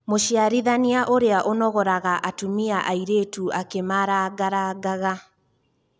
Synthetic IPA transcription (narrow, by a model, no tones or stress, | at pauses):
moʃiaɾiðaniaʔoɾeaʔonɔɣɔɾaɣaʔatumiaʔaiɾetuakemaɾaɡaɾaɡaɣa